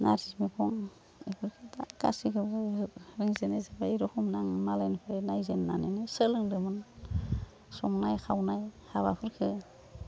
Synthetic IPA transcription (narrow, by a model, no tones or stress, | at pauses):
na̰ɾtʰismipʰɔŋ | ekʰɯɾkʰɯtaka̰sikʰɯbɯɾiŋzenezebajɾɔhʰumnaŋmalajnpʰɯɾenajzenːanenesəlɯŋdɯmɯn | sɔŋnajkʰawnajhaβapʰɯɾkʰɯ